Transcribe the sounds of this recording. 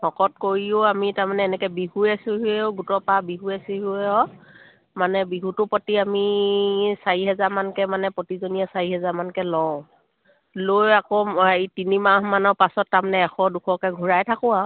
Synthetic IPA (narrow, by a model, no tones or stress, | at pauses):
hɔkɔt̚koɹiʊamitaɹmanɛɛnɛkɛbiɦuɛsiɦuɛʊɡutɔpabiɦuɛsiɦuɛɔ | manɛbiɦutʊpɔtiami | saɹiɦɛzaɹmankɛmanɛpotizonijasaɹiɦɛzaɹmankɛlɔʊ̃ | lojakɔitinimaɦmanɔɹpasɔtːamanɛːxɔdukʰɔkɛɡʱuɹajtʰakʊ̃a